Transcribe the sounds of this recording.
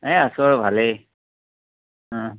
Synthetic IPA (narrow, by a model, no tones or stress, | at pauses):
ɛasɔɹbʱale